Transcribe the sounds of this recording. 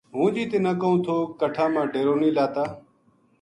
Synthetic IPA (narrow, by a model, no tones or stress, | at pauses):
ɦũːd͡ʒiːt̪eːnəkəɦũːt̪ʰoːkəʈʰãːmãːɖeːɾoːniːlaːt̪aː